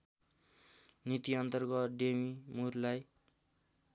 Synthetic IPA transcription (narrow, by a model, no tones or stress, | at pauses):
nit̪iʌnt̪ʌrɡʌt̪ɖemimurlaj